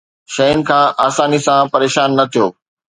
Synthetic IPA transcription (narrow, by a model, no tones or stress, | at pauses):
ʃɐʊnɪ̆kʰãːʔaːsaːnisãpɐɾeːʃaːnːɐt̪ʰijoː